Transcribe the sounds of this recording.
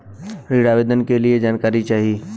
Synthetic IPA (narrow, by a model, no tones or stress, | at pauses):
ɾiɽaːʋeːd̪ənkelied͡ʒaːnkaːɾit͡ʃaːɦii